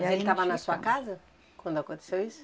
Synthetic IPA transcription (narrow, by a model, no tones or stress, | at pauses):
elit̪avɐnɐsuɐkazɐ | kwɐ̃nd̪uakõt̪e̥sewisʊ̥